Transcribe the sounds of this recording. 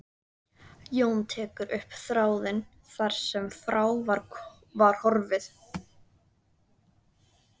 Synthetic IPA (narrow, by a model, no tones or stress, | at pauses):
joːwnt̪ʰɛːkʏɾʔʏhpθɾaːwðɪn | θaɾ̥sɛmfɾaːwvaɾ | vaɾ̥hɔɾvɪθ